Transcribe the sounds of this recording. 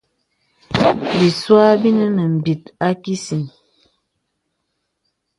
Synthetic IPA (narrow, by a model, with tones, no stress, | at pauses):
bi˨swa˦bi˦nə˦nə˨m̩˨bi˨t̚a˦ki˦si˨n